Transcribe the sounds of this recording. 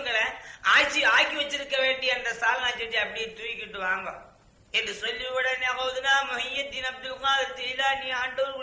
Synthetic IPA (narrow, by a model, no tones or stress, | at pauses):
ŋɡɐɭɐaːɻt͡ʃːiaːkːiʋɐt͡ʃːɪɾɯkːɐʋeːɳɖɪɐnd̪ɐsaːlnaːt͡ʃːɪʈːiɐpːɐɽɪjet̪uːjɪkːɪʈːɯʋaːŋɡɐ̰̃ | ɛndɯsɔlːiʋɪɽɐnpoʋɐðɯnːaːmɐɦɐjɐt̪ːɪnɐb̚d̪ɯlkaːðɯt̪ɛɪlaːniːaːɳɖɐʋɐɾk